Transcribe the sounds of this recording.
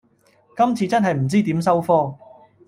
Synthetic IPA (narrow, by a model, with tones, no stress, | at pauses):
kɐ˥mt͡sʰiː˧t͡sɐ˥nɦɐ˨jm̩˨˩t͡siː˥t̪iː˨˥msɐ˥wfɔː˥